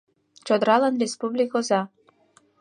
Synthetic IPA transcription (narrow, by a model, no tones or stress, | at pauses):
t͡ɕod̪əɾɑlɑnrespublʲikozɑ